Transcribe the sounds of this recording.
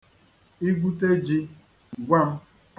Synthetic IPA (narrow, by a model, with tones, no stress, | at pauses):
i˦ɡʷu˦t̬e˦d͡ʒi˦˨ | ɡʷa˦˨m̩˦